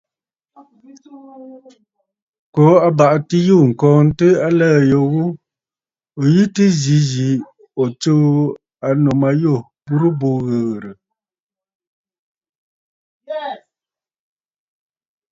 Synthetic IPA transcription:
kɔ˨˦a˦ba˨ʔti˦ju˦˨ŋ̩˨kɔ̃ː˨n̩˦tɨ˦a˦lɛː˦˨jo˨ɣu˦ | o˨ji˦tɨ˦zi˨˦zi˨˦ | ɔ˨t͡so˦ | a˨no˨ma˨˦jo˦˨ | bu˦ɾu˦bo˦ɣə˨ɣɾə˨

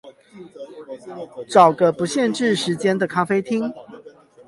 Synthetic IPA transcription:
ʈ͡ʂɑ˨˩ʊɡə˦pu˨˦ɕjɛ˥˨nʈ͡ʂɻ̩˥˨ʂɻ̩˨˦t͡ɕjɛ˦nd̪ə˨kʰa˥fe˥ɪt̪ʰi˦ŋ

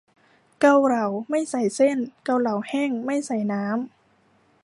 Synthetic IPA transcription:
ka˧wɾa˨˧˩wma˥˩jsa˨˩jse˥˩nka˧wɾa˨˩˦whɛː˥˩ŋma˥˩jsa˨˩˦jnaː˦˥m

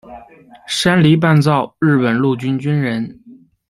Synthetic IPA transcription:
ʂa˥nli˧˥p̬a˥˧nt͡sɑ˥˧ʊɻɻ̩˥˩pə˨˩nlu˥˩t͡ɕy˥nt͡ɕy˥nɻə˧˥n

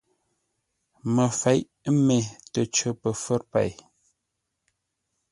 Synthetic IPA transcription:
mə˨fɛ˨˦ʔmɛ˨tə˨t͡ʃə˦pə˨fə˦ɾpa̰˨j

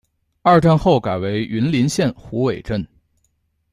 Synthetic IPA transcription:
ɐ˞˥˧˩ʈ͡ʂa˥˧nxo˥˩ʊka˨˩ɪwe˧˥ɪy˧˥nli˧˥nɕjɛ˥˩nxu˧˥we˨˩ɪʈ͡ʂə˥˩n

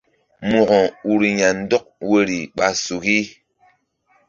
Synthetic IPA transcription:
mu˨ɣɔ˨u˨ɾi˨ɲa˨n̩˦dɔ˦k̚we˦ɾi˨ɓa˨su˨ɣi˦

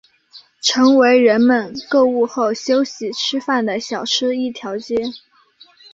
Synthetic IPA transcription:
ʈ͡ʂʰɤ˧˥ŋwe˧˥ɪɻə˧˥nmə˨˧nkɤ˥˧u˥˧xo˥˩ʊɕjo˥ʊɕi˨˩ʈ͡ʂʰɻ̩˥fa˥˩nd̪ə˩ɕjɑ˨˩ʊʈ͡ʂʰɻ̩˥i˥˩t̪ʰjɑ˧˥ʊt͡ɕjɛ˥˩

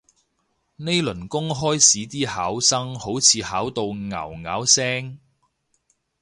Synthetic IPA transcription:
ne˥jlɵ˨˩nkʊ˥ŋɦɔː˥jsiː˨˥t̪iː˥haː˨˥wsɐ˥ŋho˨˥wt͡sʰiː˨˧haː˨˥wt̪o˨˧wŋɐ̰˨˩wŋa̰ː˨˥wsɛː˥ŋ

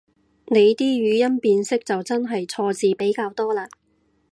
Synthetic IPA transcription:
ne˨˧jt̪iː˥ɥyː˨˧jɐ˥npiː˧nsɪ˥k̚t͡sɐ˨wt͡sɐ˥nɦɐ˨jt͡sʰɔː˧t͡siː˨pe˨˥jkaː˧wt̪ɔː˥laː˧

